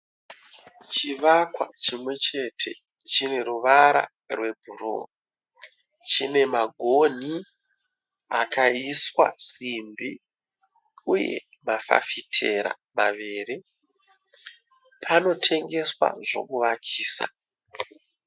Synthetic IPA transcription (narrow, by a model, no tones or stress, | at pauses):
t͡ʃiʋakwat͡ʃimwe̞t͡ʃe̞tʰe̞̰ | t͡ʃine̞ɾuʋaɾa̰ | rwe̞bʱuro̰ | t͡ʃine̞maɡʱo̞ni | akaiswa̰simbi | uje̞̰ | mafa̰fitʰe̞ɾa̰ | maʋeːɾi | pʰano̞tʰe̞ŋɡe̞swa̰ʐo̞̰kuʋakʰiːsa̰